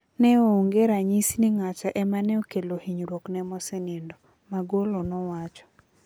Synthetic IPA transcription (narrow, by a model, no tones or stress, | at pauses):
nɛooŋɡeɾaɲisnɪŋat͡ʃaʔɛmanɛokelohiɲɾwoknɛmɔsenendɔ | maɡolonɔwat͡ʃɔ̥